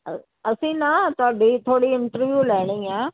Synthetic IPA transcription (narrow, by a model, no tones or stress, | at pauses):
ɐsĩːnat̪abʱit̪ʰoːɽiɪ̃ɳʈəɾʋjuːlaːɪɽ̃ĩːãː